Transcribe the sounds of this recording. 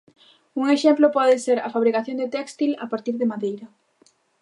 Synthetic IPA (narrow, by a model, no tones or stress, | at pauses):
uŋeʃɛmplopɔðɪseɾɐfaβɾikaθjond̪et̪ɛkst̪ila̰paɾt̪iɾðɪmaðejɾɐ